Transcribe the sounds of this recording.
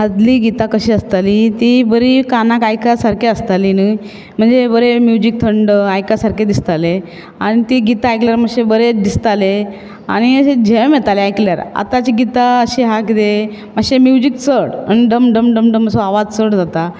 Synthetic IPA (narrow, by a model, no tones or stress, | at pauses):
ɦad̪liːɡit̪akəɕiːəst̪alit̪ibəɾikanakajkasaɾkeəst̪alini | m̤əɳd͡zebəɾemjud͡ʑik̚t̪ʰəɳɖajkasaɾked̪ist̪ale | aɽ̃it̪iɡit̪aːjkljaɾm̤əɕebəɾed̪ist̪ale | a̰ɽ̃iəed͡ʑʱemet̪aleajkljaɾa̰t̪at͡ɕiɡit̪aəɕiɦakit̪e | məɕemjud͡ʑik̚t͡səɽəniɖəmɖəmɖəmɖəməsõaʋad͡zt͡səɽd͡zat̪a